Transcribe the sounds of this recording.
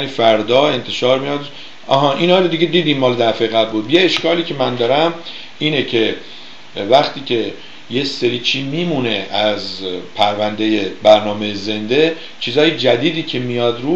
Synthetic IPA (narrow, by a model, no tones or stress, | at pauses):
nifæɾd̪ɒːe̞nt̪ʰe̞ʃɒːɾmijɒd̪ | ɒ̰ːɦɒːʔinhɒːɾod̪iɟe̞d̪iːd̪iːmːɒːled̪æɾfeɣæbbuːd̪jeeʃkɒːliːcʰe̞mænd̪ɒːɾæm | iːnecʰe̞ | væχt̪ʰiːcʰe̞ | jeseɾiːt͡ʃʰiːmiːmuːne̞ʔæzpʰæɾvænd̪ejebæɾnɒːme̞jeze̞nd̪e̞ | t͡ʃʰiːzɒːjed͡ʒæd̪iːd̪iːcʰe̞mijɒːd̪ɾuː